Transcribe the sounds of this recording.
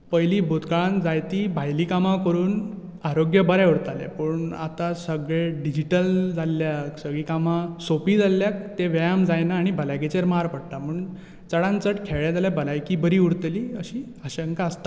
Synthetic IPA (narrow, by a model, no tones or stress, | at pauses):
pəjliːbʱot̪kaɭãnd͡zajt̪iːbʱajlikamãkəɾuːn | aɾoɡjəbəɾauɽt̪alḛpəɳa̰t̪asəɡɭeɖid͡ʑiʈəld͡zalːjaksəɡɭiːkamasopid͡zalːjak̚t̪eʋajamd͡zajnaːɽ̃ibʱəlajket͡ɕeɾmaɾpəɽt̪amuːɳ | t͡səɽãnt͡səʈkʰeɭjad͡zaljabʱəlajkiːbəɾiːuɽt̪liːəɕiː | əɕəŋkaəst̪a